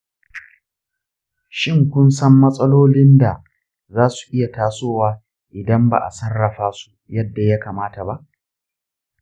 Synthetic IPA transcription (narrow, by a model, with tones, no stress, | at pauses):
ʃɪ˦ŋkʷʊ˦nsɐ˦mːɐ˦sʼɐ˦loː˦lɪ˦nda˨ | zaː˦su̥˨ʔɪ˦ja˨taː˦soː˦waː˦ | ʔɪ˨dɐ˦mba̰˨ʔa̰˨sɐ˦rːɐ˨ɸaː˦su̥˦jɐ˦dːa˨ja˦ka˨maː˦ta˨ba˦ʔ